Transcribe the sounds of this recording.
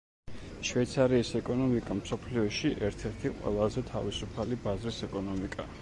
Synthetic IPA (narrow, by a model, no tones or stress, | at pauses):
ʃvɛjt̪sʰaɾiːsɛkʼɔnɔmikʼamsɔpʰliɔʃiʔɛɾt̪ʰɛɾt̪ʰiqʼwɛ̰lˠazɛt̪ʰavisupʰalibazɾisɛkʼɔnɔmikʼa